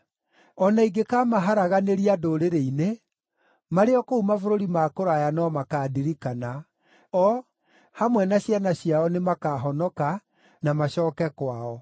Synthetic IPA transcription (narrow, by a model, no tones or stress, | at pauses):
ɔnaiɡekamaɦaɾaɣaneɾiadoːɾeɾeine | maɾeɔkoumafoɾoɾimakoɾajanɔmakadiɾikana | ɔ | hamwɛnaɕjanaɕijaɔnemakaɦɔnɔka | namaɕɔːkɛkwaɔ